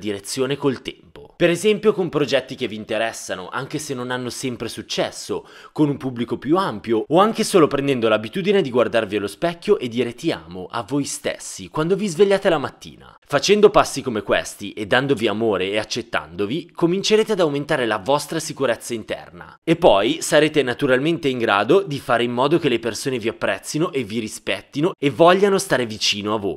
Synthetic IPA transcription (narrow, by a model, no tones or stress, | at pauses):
d̪iɾet̪sːjoːnekolt̪ɛmpopeɾezɛmpjokompɾod͡ʒɛt̪ːik̟evːiːnt̪eɾɛsːano̰ʔa̰ŋkesenːonanːosɛmpɾesut͡ʃːɛsːokonumpublikopjuampjooaŋk̟esoːlopɾend̪ɛnd̪olabit̪uːd̪ined̪iɡward̪arvialospɛkʲːjoʔed̪ːiːɾet̪ia̰ːmoʔa̰vojst̪ḛsːikwand̪ovizveʎːaːt̪elamat̪ːḭːna̰ | fat͡ʃɛnd̪opasːikomekwḛst̪iʔed̪ːand̪oviamoːɾeːat͡ʃːet̪ːa̰nd̪ovikomint͡ʃeɾeːt̪ead̪awment̪aːɾelavɔst̪ɾasikuɾɛt̪sːaint̪ɛ̰rna̰epːɔjsaɾeːt̪enat̪uɾalment̪eiŋɡɾa̰ːd̪od̪ifaːɾeimːɔːd̪ok̟elepersoːneviapːɾɛt̪sːinoʔeviɾispɛt̪ːinoevɔʎːanost̪aːɾevit͡ʃiːnoavːo̰ːj